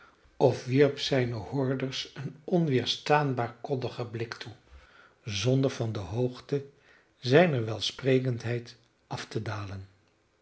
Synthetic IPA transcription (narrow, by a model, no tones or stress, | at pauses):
ɔfʋiɹpsɛjnəhʊɹdəɹsənɔnʋɪːɹstaːnbaːɹkɔdəχəblɪktʰu | zɔndəɹvɑndəɦowχtə | zɛjnəɹʋɛlˠsprejkəntɦɛjt | ʔɑftədaːlən